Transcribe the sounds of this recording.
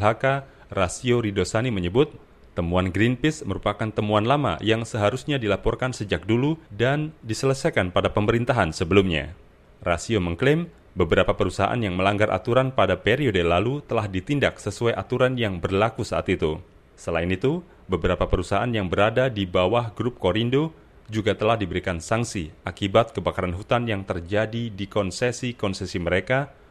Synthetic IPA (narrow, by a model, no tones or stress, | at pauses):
ɦaka | rasioɾidosaniməɲəbʊt̪ː | əmuanɡɾinpɪsməɾupakant̪əmuanlama̰jaŋsəɦaɾusɲadilapɔrkansəd͡ʒak̚duludandisələsajkanpadapəməɾint̪aɦansəbəlumɲa̰ | rasioməŋklɪm | bəbəɾapapəɾusaɦa̰ʔa̰njaŋməlaŋɡarʔa̰t̪uɾanpadapeɾiodelalut̪əlahdit̪indak̚səsuajʔat̪uɾanjaŋbərlakusaʔa̰t̪it̪u | səlaɪnit̪u | bəbəɾapapəɾusaɦaʔanjaŋbəɾadadibawahɡɾʊp̚koɾindo | d͡ʒuɡat̪əlahdibəɾikansaŋsiakibat̪̚kəbakaɾanɦut̪anjaŋt̪ərd͡ʒadidikɔnsɛsikɔnsɛsiməɾeka